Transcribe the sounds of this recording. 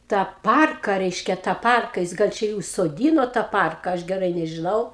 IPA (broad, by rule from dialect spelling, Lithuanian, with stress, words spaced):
tɑː ˈpɐrkɐ ˈrʲɛɪʃʲkʲɛ tɑː ˈpɐrkɐ ˈjɪs ˈɡɐlˠ ˈt͡ʃʲɛ ɪ ʊʃsoːˈdʲiːnoː tɑː ˈpɐrkɐ ˈɐʃ ɡʲɛˈrɐɪ nʲɛʒʲɪˈnɐʊ